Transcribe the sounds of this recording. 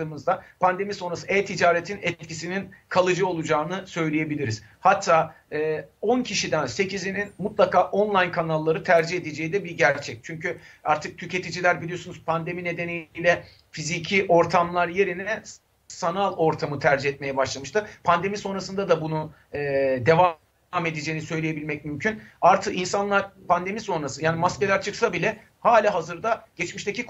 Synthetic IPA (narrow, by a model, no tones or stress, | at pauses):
ɯːmɯzd̪apʰand̪e̞miso̞nɾasɯɛt̪ʰid͡ʒaːɾet̪ʰinɛt̪̚cisininkʰalˠɯd͡ʒɯo̞lˠud͡ʒaːnɯsø̞jlʲeje̞bilʲiɾiz̥hat̪ʰːaː | ɛːo̞ncʰiʃid̪ænse̞cʰizininmut̪lˠakaːʔonlˠajnkʰanalˠːaɾɯt̪ʰæɾd͡ʒihe̞d̪id͡ʒe̞jid̪ɛbiɟæɾt͡ʃʰɛc̚t͡ʃʰyɲcyaɾt̪ʰɯk̚t̪ʰyce̞t̪ʰid͡ʒilʲæɾbilʲijo̞sunuzpʰand̪e̞mine̞d̪e̞nijlʲɛ | fizicʰiʔo̞ɾt̪ʰamlˠaɾje̞ɾinɛ | sanalˠo̞ɾt̪ʰamɯt̪ʰæɾd͡ʒiɦɛt̪̚mejɛbaʃlˠamɯʃt̪ʰɯpʰand̪e̞miso̞nɾasɯnd̪ad̪abunu | ɛːd̪e̞va | me̞d̪ed͡ʒejinisø̞jlʲejebilʲmɛc̚mymcʰynaɾt̪ʰɯkinsanlˠaɾpʰand̪e̞miso̞nɾasɯjaːnimasce̞lʲæɾt͡ʃʰɯksabilʲɛ | haːlʲaɦazɯɾd̪aɟ̥ɛt͡ʃmiʃt̪ecik